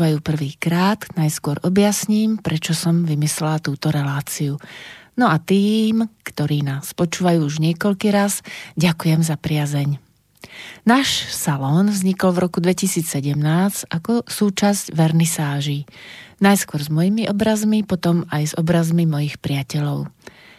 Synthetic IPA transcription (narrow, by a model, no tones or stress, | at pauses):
ʋajuːpr̩ʋiːkɾaːd̪najskʊɔɾʔɔbɪjasɲiːmpɾɛt͡ʃɔsɔmʋimislɛlat̪uːt̪ɔɾɛlaːt͡siunɔat̪iːmkt̪ɔɾiːnaːspɔt͡ʃuːʋajuːuʒɲɪɛkɔʎkiːɾazɟakujɛmzapɾɪazɛɲ | naːʃsalɔːnvzɲikɔlvɾɔkud̪ʋɛcisiːt͡ssɛɟɛmnaːsʔakɔsuːt͡ʃazɟʋɛɾnisaːʒinajskʊɔɾzmɔjimiʔɔbɾazmipɔt̪ɔmajzɔbɾazmimɔjixpɾiɪacɛʎɔʊ